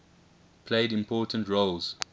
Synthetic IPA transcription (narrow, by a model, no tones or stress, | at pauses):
pʰleɪdɪ̃mpʰɔːˑtʰə̃ntɹolz̥